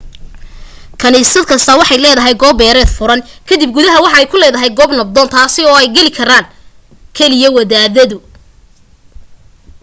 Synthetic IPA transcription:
kʰɐniːsɐd̪kʰɐst̪ʰɐwɑħɑjlɛːðɐɦɛjɡɔːbɛːɾɛːd̪fʊɾɐnkʰɐd̪ib̚ɡuðɐɦɐwɑħɑɛjkʰʊlɛːðɐɦɛjɡɔːbnɐb̚d̪ɔːnt̪ʰaːsɪɔːɛjɡɛlɪkʰɐɾaːn | kʰɛlɪjɐwɐðaːðɐðʊ

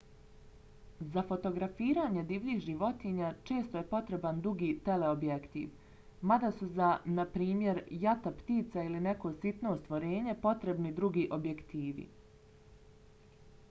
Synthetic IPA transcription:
zafo̞t̪o̞ɡɾafiːɾaːɲe̞d̪iːʋliːxʒiʋo̞t̪iɲat͡ʃe̞ːst̪o̞jepo̞t̪ɾe̞band̪ɾuɡiːt̪e̞le̞objekt̪ḭːʋ | mad̪asuzanapɾiːmje̞ɾjat̪apt̪iːt̪sailine̞ko̞sit̪no̞st̪ʋo̞ɾe̞ːɲe̞po̞t̪ɾe̞bnid̪ɾuɡiːʔo̞bje̞kt̪iːʋḭ

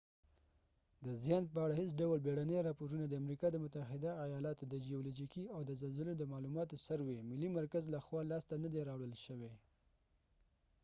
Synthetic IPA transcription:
d̪əzjɑnpəaɽahesɖawlbeɽaneɾɑpoɾunad̪əamɾikɑd̪əmʊt̪aɦɪd̪aːjɑlɑt̪od̪əd͡ʒijolud͡ʒikiawd̪əzalzəlod̪əmɑlumɑt̪osaɾwemɪlːimaɾkazlaxwɑlɑst̪anad̪eɾɑwɽəlʃəwe

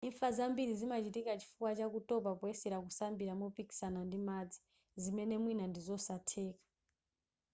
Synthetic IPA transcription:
iɱfazambiɾizimat͡ʃitikat͡ʃi̥fukwat͡ʃakutɔpapɔɛsɛɾakusambiɾamupiki̥sanandimad͡zi̥ | zimɛnɛmwinandizɔsatʰeːkḁ

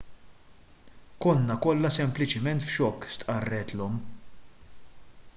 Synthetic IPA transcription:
kɔnːɐkɔlːɐsɛmplɪt͡ʃɪmɛnt̪fʃɔkːst̪ʼʔɐrːɛt̪lɔm

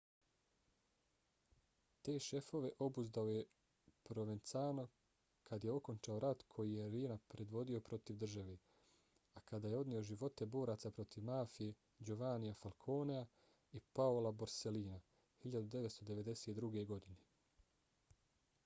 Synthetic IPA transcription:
t̪e̞ːʃe̞fo̞ʋe̞ʔo̞buzd̪aoje̞ | pɾo̞ʋent̪saːno | kʰad̪je̞o̞ko̞nt͡ʃao̞ɾat̪kʰo̞jijeɾiːnapɾe̞d̪ʋo̞d̪io̞pɾo̞t̪iʋd̪r̩ʒaʋe̞ː | akad̪aːjeo̞d̪nio̞ʒiʋo̞t̪ebo̞ːɾaːt̪sapɾo̞t̪iʋmaːfije | d͡ʒuʋaːnijafalkʰo̞ːnea | ipaolaboɾse̞liːna | hiʎad̪ud̪eʋet̪st̪o̞d̪e̞ʋe̞d̪e̞seːt̪d̪ɾuɡe̞ɡo̞d̪ine̞

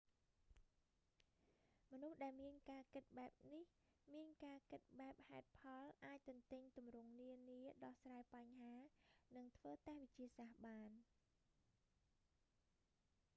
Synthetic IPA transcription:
mɔnuhɗaɛlmiənkaːkɨt̪̚ɓaɛp̚nih | miənkaːkɨt̪̚ɓaɛp̚haɛt̪̚pʰɑlʔaːc̚t̪ʊ̆nt̪ɨɲt̪umrʊəŋniəniəɗɑhsraːjpaɲhaːnɨŋt̪ʰʋəːt̪ɛhʋɨc̚t͡ɕiəsahɓaːn

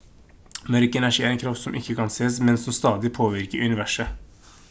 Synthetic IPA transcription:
mœɾkəɛnæʂiːæɾɛnkʰɾɑft̪sɔmʔɪkːəkɑnseːsmɛnsɔmst̪ɑːd̪ɪpʰoːʋɪɾkəɾʉnɪʋæʂə

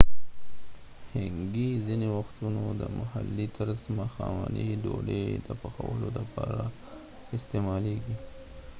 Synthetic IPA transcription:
hɪŋɡizinewaxt̪unod̪əmahalːit̪ʰəɾzmaxɑmaniɖoɽed̪əpaxawəlod̪əpɑɾa | ɪst̪emɑleɡi

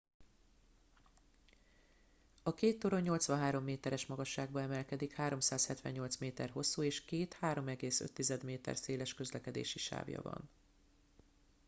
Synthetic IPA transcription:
ɒkeːt̪ːoɾo̞ɲːo̞lt̪sʋɒnɦaːɾo̞mːeːt̪ɛɾɛʃmɒɡɒʃːaːɡ̚bɒɛmɛlkɛd̪ikhaːɾo̞msaːshɛt̪vʋɛ̰ɲːɲo̞lt̪smeːt̪ɛrɦo̞sːuːeːʃkeːt̪haːɾo̞mɛɡeːsø̰t̪ːizɛd̪meːt̪ɛ̰rseːlɛʃkø̞zlɛkɛd̪ḛːʃiʃa̰ːvjɒ̰vɒ̰n

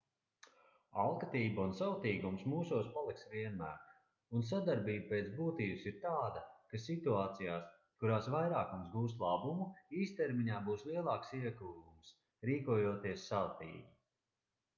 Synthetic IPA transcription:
alˠkat̪iːbaunsawt̪iːɡumsmuːsuɔspalˠiksviɛnmæ̰ːɾ | uns̬ad̪aɾbiːbapeːt̪zbuːt̪iːbɨsiɾt̪aːd̪akasit̪uaːt̪sijaːs | kuɾaːsvajɾaːkumsɡuːs̬t̪lˠabumuiːst̪ɛɾmiɲaːbuːslˠiɛlˠɑːksiɛɡuːɡums | ɾiːkuɔjuɔt̪iɛssawt̪ḭːɡi

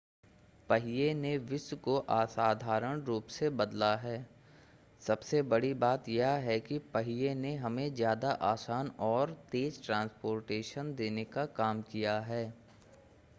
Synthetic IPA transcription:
pɐɦɪjeneʋɪswkoʔaːsaːd̪ʱaːɾəɽ̃ɾuːpsebɐd̪laɦɛː | sɐbsebɐɽibaːt̪jaɦɛkipəɦijeneɦɐmẽzjaːd̪aʔaːsaːnɔːɾt̪eːzʈɾãːnspoːɾʈeːʃənd̪eːnekakaːmkijaɦɛː

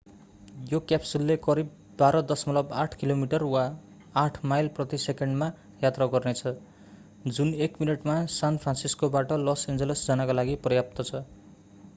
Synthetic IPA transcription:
jokjapsulːekʌɾib | baɾʌd̪ʌsmʌlʌbaʈʰkilomiʈʌrwaː | ʈʰmajlprʌt̪isekeɳɖma | jat̪raɡʌrnet͡sʰʌ | d͡zunekminʌʈmasanpʰransiskobaʈʌlʌsend͡zelesd͡zanakalaɡiprʌjap̚t̪ʌt͡sʰʌ

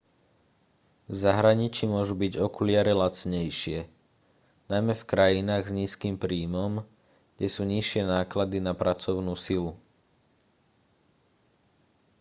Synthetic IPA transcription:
vzaɦɾaɲit͡ʃimʊɔʒubiɟɔkulɪaɾɛlat͡sɲɛjʃɪɛ | najmɛfkɾajinaːɣzɲiːskiːmpɾiːmɔm | ɡ̥ɟɛsuːɲiʃɪɛnaːklad̪inapɾat͡sɔʊnuːsilu

